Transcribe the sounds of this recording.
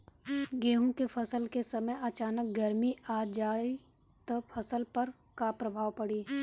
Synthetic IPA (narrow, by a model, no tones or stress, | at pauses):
ɡeːɦõkefʰɐsəlkesɐməjɐt͡ʃaːnək̚ɡəɾmiaːd͡ʒaːi | t̪opʰɐsəlpɐɾ | kapɾɐbʱaːwpɐɽiː